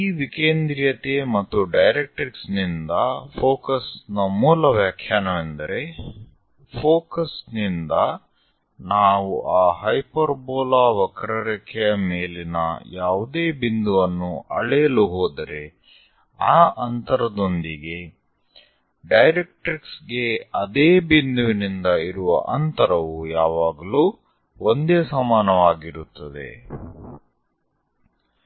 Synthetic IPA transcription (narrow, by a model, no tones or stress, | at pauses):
iːʋikeːnd̪ɾijɐt̪emɐt̪ːuɖɐjɾek̚ʈɾiksnind̪ɐpʰoːkɐsnɐmuːlɐʋjaːkʰjaːnɐʋend̪ɐɾe̞ | pʰoːkɐsnind̪ɐ | naːʋuʔaːɦɐjpɐɾboːlaːʋɐkɾɐɾɐkʰɛjɐmeːlinɐ̰jaːʋud̪eːbind̪uʋɐnːuɐ̰ɭɛjɐluɦoːd̪ɐɾe̞ | aːʔɐnt̪ɐɾɐd̪o̞nd̪iɡe̞ | ɖɐjɾek̚ʈɾiksɡe̞ɐd̪eːbind̪uʋinind̪ɐiɾuʋɐ̰ʔɐnt̪ɐɾɐʋujaːʋaːɡɐluː | ond̪e̞ːsɐmaːnɐʋaːɡiɾut̪ːɐd̪e̞̰